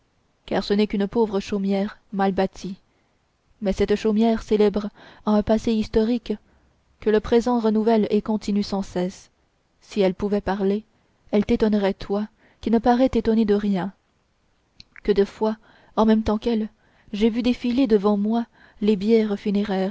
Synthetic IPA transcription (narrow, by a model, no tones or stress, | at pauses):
kaːʁsənɛkynəpovʁəʃomjɛːʁmalbat̪ʰi | mɛsɛt̪ʃomjɛːʁselɛbʁaɛ̃paseist̪ɔʁik | kːələpχezɑ̃ʁənuvɛlekɔ̃t̪inysɑ̃sɛs | siɛlpuvɛpaʁle | ɛlt̪et̪ɔnʁɛt̪wa | kʲinəpaʁɛt̪et̪ɔned̪əʁjɛ̃ | kəd̪əfwa | ɑ̃mɛmt̪ɑ̃kɛl | ʒevyd̪efiled̪əvɑ̃mwa | lebjɛʁfyneʁɛːʁ